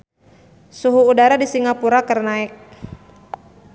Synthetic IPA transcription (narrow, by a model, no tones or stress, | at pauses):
suɦuːdaɾadisiŋapuɾakərnaɪk̚